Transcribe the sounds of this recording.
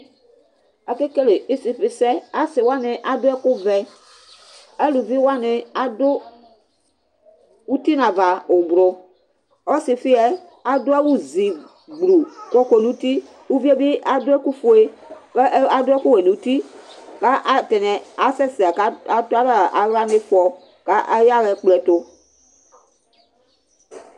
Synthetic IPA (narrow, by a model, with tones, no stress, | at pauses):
ɛ˨ke˦ke˦le˨i˦si˨fɪ˨sɛ˦a˦sɪ˨wa˦nɪ˨ʔa˦dʊ˦ɛ˦kʊ˦vɛ˨ | ɛ˦lu˨vi˦wa˦nɪ˨a˦dʊ˦ | u˦ti˦nã˨va˨ʊ˨bɾʊ˨ | ɔ˦sɪ˨fɪ˦ɛ˦ | a˨dʊ˦ɛ˦wu˦zi˨ | ɡ͡bɾu˨kɔ˦ko˨nũ˦t̪i˦ | u˦vi˦e˦bi˦ʔa˦dʊ˦ɛ˦ku˦fo˨e˦kɛ˦ʔa˦dʊ˦ɛ˦ku˦we˨nu˨u˦ti˦ka˦ʔa˦tɛ˨nɛ˨a˨sɛ˦si˨a˨ka˦a˦tʊ˦a˦ɾa˦˨ʔa˨wa˦nɪ˦fɔ˨ | ka˦ʔa˦ja˦ɣɛ˨k͡plɛ˨to˦